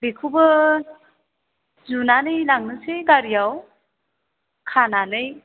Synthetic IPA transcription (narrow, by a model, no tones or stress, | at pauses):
bekʰubɯ | zunanɯjlaŋnɯsejɡaɾijaw | kʰananɯj